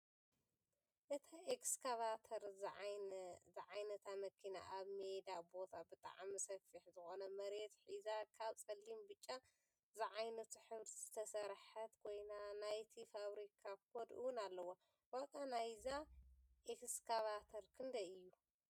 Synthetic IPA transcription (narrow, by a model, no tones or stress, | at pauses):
ʔɨt̪ʰaʔekskʰaβat̪ʰɐɾ | zɨʕajnɐt̪ʰamɐkʰːina̰ʔaβmed̪abo̞t̪ʰabɨt̪ʼa̰ʕmisɐfiħzɨxo̞nɐmɐɾet̪ħizakʰaβt͡sʼɐlːimbɨt͡ʃʼːa | zɨʕajnɐt̪ʰuħɨβɾz̥ɨt̪ʰɐsɐɾħɐt̪kʰojnanajt̪ʰifaβɾikʰakʰod̪ʔɨ̰wʊnalːɐwo | wakʼanajzaʔekskʰaβat̪ʰɐɾkʰɨnd̪ɐɨjːu